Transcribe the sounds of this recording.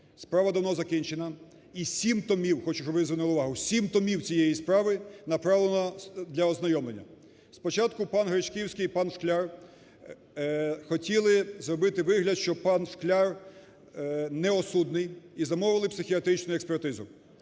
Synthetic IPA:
spɾɑʋɐd̪ɔwnɔzɐkinʲt͡ʃenɐ | isʲimt̪ɔmʲiwxɔt͡ʃʊʃɔbɪzʋɪnulˠɪʊʋɑɦʊsʲimt̪ɔmʲiwt͡sʲijejispɾɑʋɪnɐpɾɑʋlˠenɔd̪lʲɐɔznɐjɔmlˠenʲːɐ | spɔt͡ʃɑt̪kʊpɑnɦɾɪt͡ʃkʲiwsʲkʲɪjipɑnʃklʲar | xɔtʲilˠɪzrɔbɪt̪ɪʋɪɦlʲɐd̪ʃt͡ʃɔpɑnʃklʲar | nɛɔsud̪nɪjizɐmɔʋɪlˠɪpsɪxʲiɐt̪ɾɪt͡ʃnʊjʊɛkspɛrt̪ɪzʊ

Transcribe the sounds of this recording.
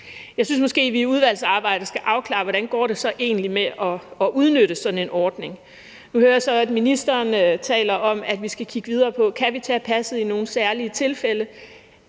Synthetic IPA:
jɑ̈ɪsyns̬mɒ̽sɡ̥e̝̰ːʋiuð̞ˠʋæl̰sɑ̈ːb̥ɑ̈ɪ̰d̥əsɡ̥æʔɑ̈ʊkʰlɑ̰̈ːʋɒɾænɡ̥ɒ̰ːɾ̥e̝sɒ̽ʔe̝̰ːnəlimeʔɒ̽ːʔuð̞ˠnøɾ̥əsɒ̽d̥n̩e̝nɒːd̥ne̝ŋ | nuhøːɐjsɒ̽æd̥minisd̥ɐːnt͡sʰɛ̰ːlɐʔɒ̽mæd̥ʋisɡ̥ækʰiɡ̥əʋið̞ˠɐːpʰɒ̽kʰæʋit͡sʰɛːpʰæsð̩ˠino̝ːn̩sæɐliət͡sʰe̝lfelə

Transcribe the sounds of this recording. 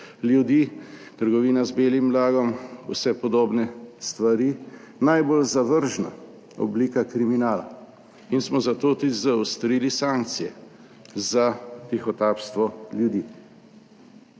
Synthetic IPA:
ljud̪iːt̪əɾɡɔʋiːnazbeːlimːlaːɡɔmw̰sɛpɔd̪oːbnɛst̪ʋaɾiː | najbolzaʋəɾʒna̰ | ɔ̰bliːkakɾiminaːla̰ | insmɔzat̪oːt̪ud̪izawst̪ɾiːlisãŋk̚t̪sijɛ̰ | zat̪ixɔt̪aːpst̪ʋɔljud̪iː

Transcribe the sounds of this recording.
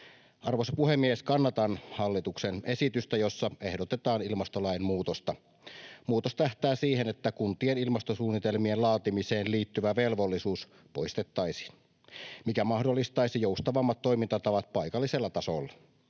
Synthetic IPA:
ʔɑrʋosɑpuhemːieskɑnːɑt̪ɑnhɑlːit̪uksenesit̪yst̪æjosːɑehdot̪et̪ɑːnilmɑst̪olɑjemmuːt̪ost̪ɑ | muːt̪ost̪æht̪æːsiːhenet̪ːækunt̪ienilmɑst̪osuːnːit̪elmienlɑːt̪imiseːnliːt̪ːyʋæʋelʋolːisuːs | poist̪et̪ːɑisi̥ | mikæmɑhdolːist̪ɑisijoust̪ɑʋɑmːɑt̪ːo̞imint̪ɑt̪ɑʋɑt̪̚pɑijkɑlːiselːɑt̪ɑso̰lːɑ

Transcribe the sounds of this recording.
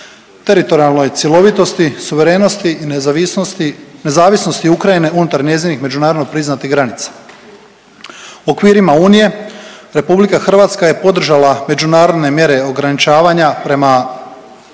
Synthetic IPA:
t̪e̞ɾit̪o̞ɾialˠno̞jt̪sʲjelˠo̞ʋit̪o̞st̪isuʋe̞ɾe̞ːno̞st̪in | ne̞zaːʋisno̞st̪iukɾajine̞unut̪aɾɲe̞zinixme̞d͡ʒunaːɾod̪nopɾiznat̪iɣɡɾanit̪sḁ | okʋiːɾimauːnije̞ɾe̞publikaxr̩ʋaːt̪skaje̞po̞d̪r̩ʒalame̞d͡ʒunaːɾo̞d̪ne̞mje̞ɾe̞o̞ɡɾanit͡ʃaːʋaɲapɾe̞ma

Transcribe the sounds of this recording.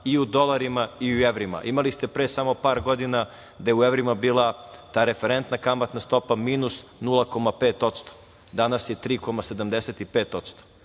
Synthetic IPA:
iud̪o̞lˠaɾimaiueʋɾima̰ʔimalist̪e̞pɾeːsamo̞paːɾɡo̞d̪ina | d̪ajeueʋɾimabiːlˠat̪aːɾe̞feɾent̪nakamat̪nast̪o̞pamiːnusnulˠako̞mapeːt̪o̞t̪st̪o̥ | d̪anasjet̪ɾiːko̞mase̞d̪amd̪eset̪ipeːt̪o̞t̪st̪o̥

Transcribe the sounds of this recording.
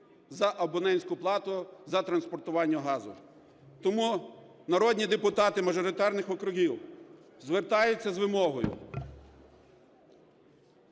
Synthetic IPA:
zɐʔɐbɔnɛnʲsʲkʊplˠɑt̪ʊzɐt̪ɾɐnspɔrt̪ʊʋɑnʲːɐɦɑzʊ̰ | t̪ɔmu | nɐɾɔdʲnʲid̪epʊt̪ɑt̪ɪmɐʒɔɾɪt̪ɑrnɪxɔkɾʊɦʲiw | zʋert̪ɑjʊt͡sʲːɐzʋɪmɔɦɔjʊ̰

